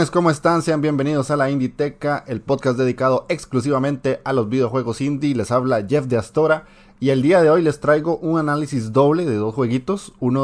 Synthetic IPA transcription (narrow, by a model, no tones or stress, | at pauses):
esko̞moe̞st̪anseambje̞mbe̞nið̞o̞salaind̪it̪e̞kaʔe̞lpo̞ðkasd̪e̞ðikað̞o̞e̞ksklus̬iβamẽ̞nt̪e̞ʔalo̞zβiðeo̞xwe̞ɣo̞sind̪ile̞saβlaʝe̞fd̪east̪o̞ɾa | ield̪iaðe̞o̞jle̞st̪ɾajɣo̞ʔunanalisizd̪o̞βle̞ðe̞ðo̞sxwe̞ɣit̪o̞suno